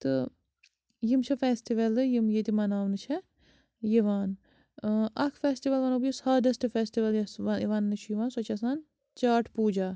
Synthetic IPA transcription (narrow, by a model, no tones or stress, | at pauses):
t̪ɨ | jimt͡ʃʰɐfeːsʈiʋɐlɨjimjet̪imɐnaːʋnɨt͡ʃʰɐ | jiʋaːn | ɐkʰfeːsʈiʋɐlʋɐnobjusaːɖɐsʈɨfeːsʈiʋɐljiʋaːnnɨt͡ʃʰujiʋaːnsɐt͡ʃɐsaːn | t͡ʃaːʈʰpuːd͡ʒaː